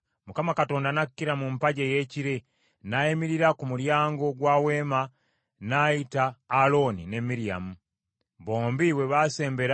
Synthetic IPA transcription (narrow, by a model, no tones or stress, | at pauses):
mukamakato̞ːndanakːiɾamumpaɟeje̞ciɾe | naemiɾiɾakumuɾjaːŋɡo̞ɡwaːweːma | naitaːlo̞nine̞miɾia̰mu | βo̞ːmbiwe̞βase̞ːmbe̞ɾa